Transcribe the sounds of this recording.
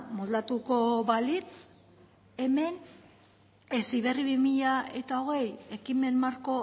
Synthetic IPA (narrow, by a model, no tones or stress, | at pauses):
mold̪at̪uko̞βalit͡s | e̞me̞n | esiβ̞e̞riβimiʎae̞t̪ao̞ɣ̞e̞je̞kime̞nːaɾko̞